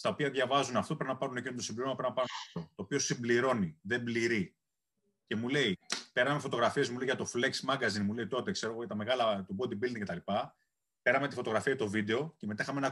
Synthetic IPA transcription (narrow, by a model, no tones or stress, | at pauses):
st̪ɐo̞piɐðʝɐvɐzunɐft̪o̞pɾinɐpɐɾunecinot̪osimbliɾo̞mɐpɾinɐpɐɾunot̪o̞ːpio̞simbliɾo̞niðe̞mbliɾi | ce̞mule̞ipe̞ɾɐme̞fo̞t̪o̞ɣɾɐfie̞zmuleiʝɐt̪o̞fle̞ksmɐŋɡɐzinmule̞it̪o̞t̪e̞kse̞ɾo̞ɣojɐt̪ɐme̞ɣɐlɐt̪obod̪ibild̪iŋcet̪ɐlipɐ | pe̞ɾɐme̞t̪ifo̞t̪o̞ɣɾɐfiɐjɐt̪ovid̪e̞o̞cemet̪ɐixɐmeenɐ